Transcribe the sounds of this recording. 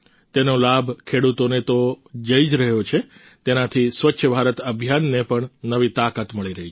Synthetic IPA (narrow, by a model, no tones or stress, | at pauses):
t̪enolabʱkʰeɽut̪onet̪od͡ʒəid͡ʒɾəɦjot͡ʃʰe | t̪enat̪ʰisʋətːʃʰəbʱaɾət̪əbʱjanːepəɳnəʋit̪akat̪məɭiɾəɦit͡ʃ